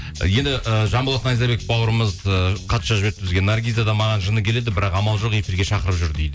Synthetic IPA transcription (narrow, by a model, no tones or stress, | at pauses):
jend̪ɪʔəʒɑmbɑlˠɑsnɑjzɑbe̞kɪfbɑwəɾəməzəqʰɑt̪ʃɑʒɪbeɾt̪ʰɪzɡʲe̞nːarɡʲijzad̪ɑmɑʁɑnʒənəkʲʰe̞le̞d̪ɪbɪɾɑqɑmɑlˠʒo̞qe̞fiɾɡʲe̞ʃɑqəɾəpʒʏɾd̪ejd̪ɪ